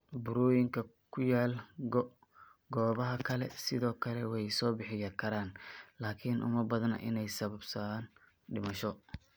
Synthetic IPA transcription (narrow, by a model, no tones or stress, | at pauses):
bʊɾuːjɪŋkʰɐ | kʰʊjaːlɡ | ɡɔːβɐɦɐkʰɐlɛ̰sɪðɔːkʰɐlɛwɛjsɔːbɪħɪjɐkʰɐɾaːnlaːkʰɪnʔʊ̰mɐbɐðɐnɐ̰ʔɪ̰nɛjsɐβɐbsɐaːn | ɖɪmɐʃɔ